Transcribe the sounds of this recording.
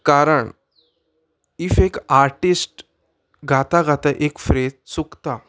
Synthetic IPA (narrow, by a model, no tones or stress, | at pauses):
kaɾəɳ | ifekaɾʈisʈ | ɡʱat̪aɡat̪aʔekfɾed͡zt͡sukt̪a